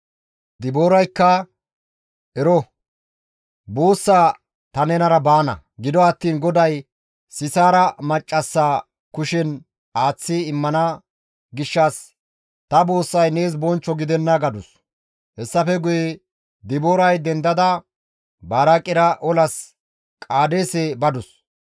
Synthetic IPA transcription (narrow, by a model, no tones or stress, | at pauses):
d̪ɪboːɾɐjkːɐ | ʔɛɾɔ | boːsːaː | t̪ɐnɛnɐɾɐbaːnɐ̰ | ɡɪd̪ɔɐt̪ːiːnɡɔd̪ɐj | sɪsaːɾɐmɐt͡ʃʼːɐsːaː | kʊʃɛn | aːt͡sːɪɪmːɐnɐ | ɡɪʃːɐs | t̪ɐboːsːɐjne̞ːs̬bɔnt͡ʃːɔɡɪd̪ɛnːɐɡɐd̪ʊs | hɛsːɐfɛɡʊjɛ | d̪ɪboːɾɐjd̪ɛnd̪ɐd̪ɐ | baːɾakʼɪɾɐʔɔlɐs | kʼaːd̪eːsebɐd̪ʊs